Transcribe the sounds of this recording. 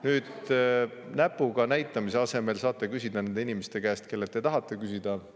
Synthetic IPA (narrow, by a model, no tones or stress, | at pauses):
nyːd̪̥ | næpːˑuɡ̥ɑnæjt̪ˑːɑmise̞ɑse̞me̞lsɑːt̪ːˑekysʲid̪̥ɑnend̪einimest̪e̞kæːst̪̚ke̞lːet̪ːet̪ɑɦɑt̪ːˑe̞kysid̪̥ɑ